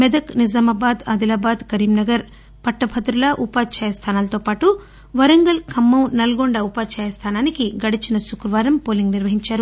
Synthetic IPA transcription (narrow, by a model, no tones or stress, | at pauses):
mɛd̪ɐknizaːmaːbaːd̪ɐd̪ilaːbaːd̪kɐɾiːmnɐɡɐɾ | pɐʈːɐpʰɐd̪ɾulɐʔupaːd̪t͡ʃɛːjɐst̪ʰaːnaːlɐt̪oːpaːʈu | ʋɐɾɐŋɡɐlkʰɐmːɐwnɐlɡoɳɖɐupaːt͡ʃɛːjɐst̪ʰaːnaːnikiɡɐɽit͡ʃinɐsukɾɐʋaːɾɐmpo̞ːliŋɡniɾʋɐɦiɲt͡ʃaːɾu